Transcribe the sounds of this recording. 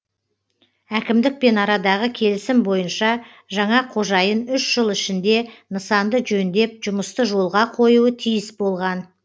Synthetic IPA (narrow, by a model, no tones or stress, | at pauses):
ækʲɪmd̪ɪk̚pe̞nɑɾɑd̪ɑʁəkʲʰe̞lɪsɪmbo̞jənʃɑ | ʒɑɴɑqʰo̞ʒɑjənʏʃʒ̥əlˠɪʃɪnd̪e̞nəsɑnd̪əʒɵnd̪e̞p̚ʒʊməst̪əʒo̞lˠʁɑqʰo̞juət̪ʰijɪsbo̞lˠʁɑn